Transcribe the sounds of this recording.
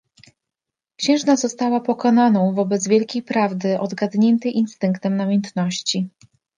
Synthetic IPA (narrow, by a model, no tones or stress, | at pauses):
kɕɛ̃w̃ʐnazɔst̪awapɔkɔnanɔ̃w̃vɔbɛd̪zvʲjɛlkʲejpɾavd̪ɘʔɔd̪ɡad̪ɲɛnt̪ɛjʔinst̪ɘŋkt̪ɛmnamʲjɛnt̪nɔɕt͡ɕi